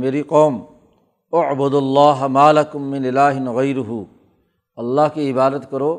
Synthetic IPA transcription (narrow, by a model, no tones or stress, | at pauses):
meːɾiqɔːm | ɐʕbʊd̪ɐlːaːɦmaːlɐkʊmːɪ̃nɪlaːɦɪnɣɐjɾʊɦu | ɐlːaɦkiɪbaːd̪ət̪kɐɾoː